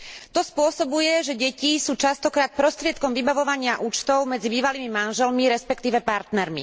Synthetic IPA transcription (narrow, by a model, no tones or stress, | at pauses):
t̪ɔspʊɔsɔbujɛʒɛɟɛcisuːt͡ʃast̪ɔkɾaːt̪̚pɾɔst̪ɾɪɛt̪̚kɔmʋibaʋɔʋaɲɪaʔuːt͡ʃt̪ɔʊmɛd͡zibiːʋaliːmimanʒɛlmiɾɛspɛkt̪iːʋɛpaɾt̪nɛɾmḭ